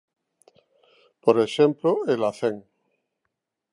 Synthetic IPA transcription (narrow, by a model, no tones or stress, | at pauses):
poɾeʃemploelaθeŋ